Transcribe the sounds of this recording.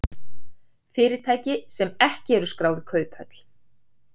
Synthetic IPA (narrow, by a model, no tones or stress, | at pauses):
fɪːɾɪ̥t̪ʰaːjcɪsɛmɛhcɪɛɾʏskɾaːwðɪkʰœːɥphœ̰t̪l̥